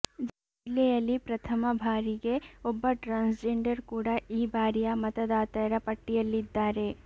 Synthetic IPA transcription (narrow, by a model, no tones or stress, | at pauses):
d͡ʒɐ | leɐlipɾɐt̪ʰɐmɐbʱaːɾikeobːɐʈɾãːnsd͡ʒeːɳɖɐɾkuːɽaiːbʱaːɾijamɐt̪ɐd̪aːt̪ɐɾapɐʈːijɐlid̪ːaːɾe